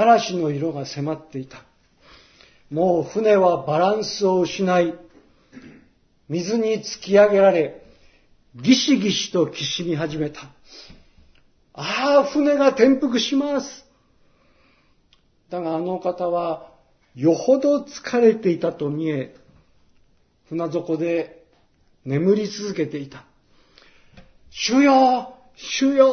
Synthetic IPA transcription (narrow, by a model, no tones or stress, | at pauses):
aɾaɕino̞iɾo̞ɡase̞mat̪ːe̞it̪ḁ | mo̞ːɸɯ̟ne̞βabaɾãɰ̃sɨo̞ɯɕinai | mʲizɨɲ̟it͡sɨ̥kʲiaɡe̞ɾaɾe̞ | ɡʲiɕiɡʲiɕi̥t̪o̞kʲiɕimʲiɦaʑime̞t̪ḁ | aːɸɯ̟ne̞ɡat̪ẽ̞mpɯ̟kɯ̟ɕimasɨ̥ | d̪aɡaːno̞kat̪aβa | jo̞ho̞d̪o̞t͡sɨ̥kʰaɾe̞t̪e̞it̪at̪o̞mʲie̞ | ɸɯnazo̞ko̞d̪e̞ | ne̞mɯ̟ɾʲit͡sɨzɨke̞t̪e̞it̪ḁ | ɕɨjo | ɕɨjo